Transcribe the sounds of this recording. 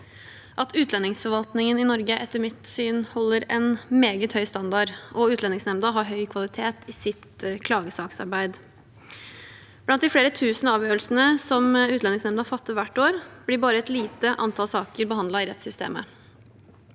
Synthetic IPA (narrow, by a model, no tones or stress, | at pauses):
ʔɑt̪ʉːt̪ʰlɛnɪŋsfɔɾʋɑlt̪nɪŋənɪnɔɾɡəʔɛt̪ːəmɪt̪syːnhɔlːəɾɛnmeːɡət̪hœʏst̪ɑnd̪ɑɖɔʉːt̪lɛnɪŋsnɛmd̪ɑɦɑɾɦœʏkʰʋɑlɪt̪ʰeːt̪ɪsɪt̪kʰlɑːɡəsɑːksɑ̰ɾbæɪd̪ | b̥lɑnt̪d̪ɪfleːɾət̪ʰʉːsnɑːʋjøːɾəlsənəsɔmʉːlɛnɪŋsnɛmd̪ɑfɑt̪ːəʋæʈːoːɾb̥lɪbɑːɾəɛt̪liːt̪əʔɑ̰nt̪ʰɑlsɑːkəɾbəhɑnd̪lɑɪɾɛt̪sʏst̪ḛːmə̰